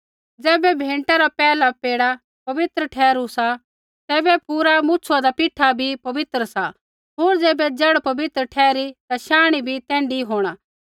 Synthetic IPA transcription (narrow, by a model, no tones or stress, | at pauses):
d͡zɛːbɛbʱẽːɳʈaɾapɛːlapeːɽa | pɐʋɪt̪ɾəʈʰɛːɾusa | t̪ɛːbɛpuːɾamũt͡ʃʰuad̪apɪʈʰːabʱipɐʋɪt̪ɾəsa | ɦoːɾd͡zɛːbɛd͡ʒɐɽpɐbɪt̪ɾəʈʰɛːɾit̪aʃaːɽ̃ibʱit̪ɛ̃ːɳɖiɦoːɽ̃aː